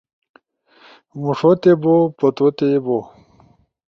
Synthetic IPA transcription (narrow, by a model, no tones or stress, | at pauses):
muʂot̪ebopɐt̪ot̪ebo